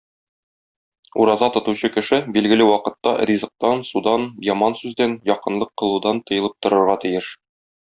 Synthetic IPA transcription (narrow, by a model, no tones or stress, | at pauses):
ṵɾɑzɑt̪ŏt̪uɕɤkɘ̆ʃɘbilɡɘ̆lɘwɒqɤ̆t̪ːɑrʲizɤ̆q̚t̪ɑnsud̪ɑnjɒmɑnsʉzd̪ænjɒqɤ̆nlˠɤqːɤ̆lˠud̪ɑnt̪ɤ̆jɤ̆lˠɤp̚t̪ŏɾɤ̆ɾʁɑt̪ĭjɘʃ